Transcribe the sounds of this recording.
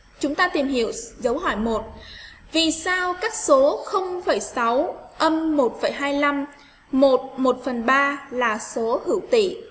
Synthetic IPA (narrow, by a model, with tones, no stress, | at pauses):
t͡ɕʊ˨˦ŋ͡mt̪aː˧t̪i˨˩mhḭ˧˨əwzə˨˦wɦɔ˧˩jmo˨˩t̚ | vi˨˩saː˧wkaː˦˥k̚so˨˦xə˧wŋ͡mfə˧˩jsa˨˦wʔə˧mːo˨˩t̚fə˧˩jɦaː˧jla˧mː | o˨˩t̚mo˨˩t̚fə˨˩nɓaː˧laː˨˩so˨˦hɨ̰˧˩wt̪ḭ˧˩˨